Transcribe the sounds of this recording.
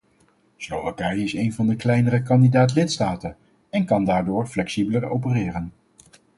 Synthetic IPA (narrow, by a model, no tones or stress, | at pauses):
slowvakɛjɪsejnvɑndəklɛjnəɾəkɑndidaːtlɪtstaːtən | ɛnkɑndaːɹdʊːɹflɛksibələro̰wpərɪːrən